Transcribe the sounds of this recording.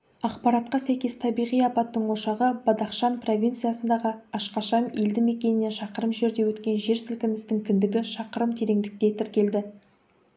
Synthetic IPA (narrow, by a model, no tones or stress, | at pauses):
ɑqpɑɾɑt̪̚qɑsæjkʲe̞st̪ʰɑbijʁijɑpɑt̪ːəɴwo̞ʃɑʁəbɑd̪ɑqʃɑnpro̞vʲijnt̪sɨjasənd̪ɑʁəɑʃqɑʃɑme̞ld̪ɪme̞kʲe̞nɪne̞nʃɑqəɾəmʒe̞ɾd̪e̞wɵt̪kʲe̞nʒe̞ɾsɪlkʲɪnɪst̪ɪŋkʲʰɪnd̪ɪɡʲɪʃɑqəɾəmt̪ʰe̞ɾe̞ŋd̪ɪk̚t̪e̞t̪ʰɪɾkʲe̞ld̪ɪ